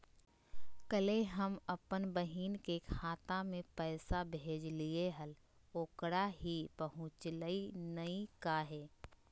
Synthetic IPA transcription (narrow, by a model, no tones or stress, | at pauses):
kəleɦəməpənbəɦiːnkekʰaːt̪amẽpɛːsabʱeːd͡ʒlieɦəl | oːkɽaɦipəɦʊ̃t͡ʃləinəikaɦɛː